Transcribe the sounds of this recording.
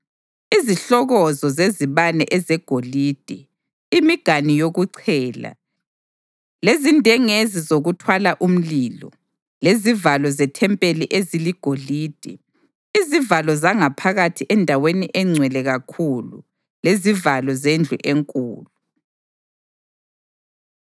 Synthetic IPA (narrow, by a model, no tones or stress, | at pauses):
iziɬɔɣɔzɔzeziβanɛ̰ʔɛzɛɡ̥ʱolid̥ʱɛ | imiɡ̥ʱanijoɣuǀʰɛːla̰ | lezindʱɛŋezizoɣutʰwalaʔum̩lilɔ̰ | lezivalɔzɛtʰɛmpʼeliʔeziliɡ̥ʱoliːd̥ʱi | izivalɔzaŋapʰaɣatʰiʔɛndʱaweniʔɛŋ͡ǀʱwɛlɛɣakʰulṵ | lezivalɔzend͡ɮʱṵʔeŋkʼṵːlu